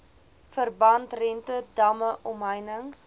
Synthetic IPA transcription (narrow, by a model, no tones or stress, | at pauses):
fərbɐntrɛntədɐməʔɔmɦəjnəŋs